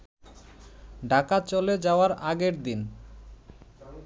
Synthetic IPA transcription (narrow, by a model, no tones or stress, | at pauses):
ɖʱakat͡ɕoled͡ʑaoaɾaɡeɾd̪in